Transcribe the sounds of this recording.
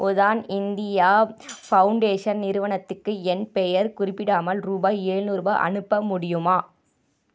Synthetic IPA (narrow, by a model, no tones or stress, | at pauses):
ʔɔðaːnɪnd̪ɪjaːfɐʊɳɖeːʂɐnnɪɾɯʋɐɳɐt̪ːɯkːɯɛnpɛjɐɾkʊrɪpːɪɽaːmɐlɾuːbaːeːɻnuːɾba̰ʔɐ̰nɯpːɐmʊɽɪjɯmaː